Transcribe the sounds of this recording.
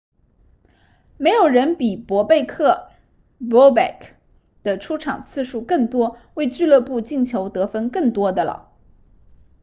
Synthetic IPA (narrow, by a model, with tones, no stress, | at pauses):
me˧˥ɪjo˨˩ʊɻə˧˥npi˨˩pwɔ˧˥pe˥˧ɪkʰɤ˥˩ | wɔ˥bɛ̰˥˩kʰ | d̪̥ə˨ʈ͡ʂʰu˥ʈ͡ʂʰɑ̰˨˩ŋt͡sʰɹ̩˥˧ʂu˥˧kɤ˥˩ŋt̪wɔ˥we˥˧ɪt͡ɕy˥˧lɤ˥˧pu˥˧t͡ɕi˥˩ŋt͡ɕʰjo˧˥ʊt̪ɤ˧˥fə˥nkɤ˥˩ŋt̪wɔ˥d̪ə˨lə̰˩